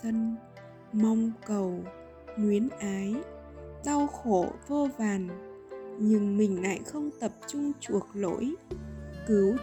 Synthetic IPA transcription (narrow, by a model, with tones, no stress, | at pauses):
ə˧n | ma˧wŋ͡mkə˨˩w | ŋwi˨˦ənʔaː˨˦j | ɗa˧wxo˧˩vo˧vaː˨˩n | ɲɨ˧ŋmï˨˩ŋ̟la̰ː˧˨jxə˧wŋ͡mt̪ə˨˩p̚t͡ɕʊ˧ŋ͡mt͡ɕu˨˩ək̚lo̰˧˥jkɨ˨˦w